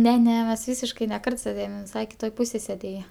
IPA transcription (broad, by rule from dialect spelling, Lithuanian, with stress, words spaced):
ˈnʲɛ ˈnʲɛ mʲɛs ˈʋʲiːsʲɪʃkɐɪ nʲɛ ˈkɐrt sʲeːˈdʲeːjoːm jɪn ʋʲɪˈsɐɪ kʲɪˈtoːj ˈpʊsʲeːj sʲeːˈdʲeːjɛ